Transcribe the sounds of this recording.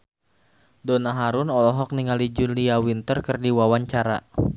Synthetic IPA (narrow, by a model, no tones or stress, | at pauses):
dɔnaɦaɾunɔlɔɦɔk̚niŋalid͡ʒunliawint̪ərkɨrdiwawaɲt͡ʃaɾa̰